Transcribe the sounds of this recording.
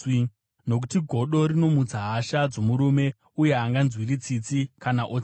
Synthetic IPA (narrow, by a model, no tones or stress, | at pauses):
no̞k̬u̥tiɡʱo̞ɗo̞ɾino̞mud͡zaɦaʃad͡zo̞muɾume̞ | uje̞aŋɡanzwirit͡sit͡sikanaʔot͡s